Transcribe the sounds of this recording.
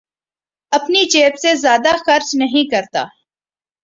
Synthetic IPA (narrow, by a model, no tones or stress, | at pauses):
ɐpnit͡ʃeːpsezjaːd̪axɐɾt͡ʃnɐɦĩkɐɾt̪a̰ː